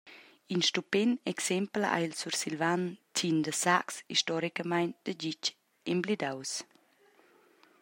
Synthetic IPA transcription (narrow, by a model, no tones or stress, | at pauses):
inʃtupɛnɛksɛmpla̰jlsuɾsilvantʰind̪əsaksḭʃtɔɾikəmajnd̪̥əd͡ʒic | ɛmblid̪aws